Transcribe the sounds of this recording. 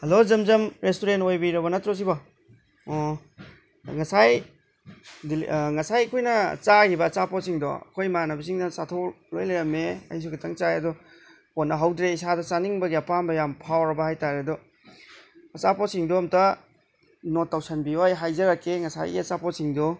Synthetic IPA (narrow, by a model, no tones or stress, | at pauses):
hɐlozɐmzɐmɾestoɾentojbijɾɐbɐnɐtɾɔs̬ibɔ | ŋɐsaj | dilŋɐsajɐkʰojnɐ̰t͡ʃaɡibɐːt͡ʃapɔsiŋdɔ̰ɐ̰kʰojmanɐbɐs̬iŋnɐsatʰow | lojlajɾɐmeɐ̰js̬uɡetʰaŋt͡ʃajɐdɔ | konːɐɦawdɾeisadɐt͡ʃaniŋbɐɡiɐpambɐjampʰawɾɐbɐhajtaɾeɐdɔ | ɐt͡ʃapɔsiŋdɔːmtɐ | notːawsanbiojɦajzɐɾakʰːeŋɐsa̰jɡiɐt͡ʃapɔsiŋdɔ